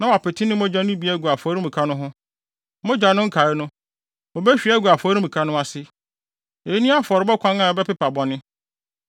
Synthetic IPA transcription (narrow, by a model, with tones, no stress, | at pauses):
nã˨wa˨pɪ˨tʰɪ˦nɪ̃˦mɔ̃˦d͡ʑã˦n˦ʊ̃˦bi˨˦æ˦˨ɡu˨a˨fɔ˨˦ɾĩ˦mũ˨kʰa˦nʊ̃˦ɦʊ̃˦ | mɔ̃˦d͡ʑᶣa˨˦nʊ̃˦ŋ̩˦kʰa˨ɪ˦nʊ̃˦ | mɔ˨bɛ˦ɕᶣi˨˦ɛ˦ɡu˨a˨fɔ˨˦ɾi˦mũ˨kʰa˦nʊ̃˦a˨sɪ˦ | e˨˦nĩ˦a˦fɔ˨ɾɪ˨˦bɛ˦kʷʰã˦nã˨ɔ˨bɛ˦pɪ˦pʰa˨bɔ˨nɪ̃˦